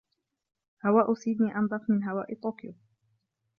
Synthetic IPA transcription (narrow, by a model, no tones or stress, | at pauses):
hawaːʔʊsiːd̪niːʔɑnd̪ˤɑfmɪnɦawaːʔɪt̪ˤoːkɪjʊ